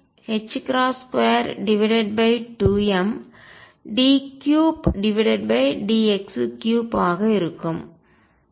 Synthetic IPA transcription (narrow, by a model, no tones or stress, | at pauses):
hɛt͡ʃːkɾaːskejɐɾɖɪʋɪɽɐɖ̚bɐɪʈuːɛm | ɖiːkjuːpɖɪʋɪɽɐɖ̚bɐɪɖiːɛkskjuːpaːɣɐɪɾɯkːɯm